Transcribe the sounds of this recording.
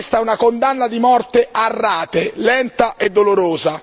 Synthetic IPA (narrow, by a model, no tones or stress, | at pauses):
st̪aunakond̪anːad̪imɔrt̪earːaːt̪elɛnt̪aʔed̪ːoloɾoːza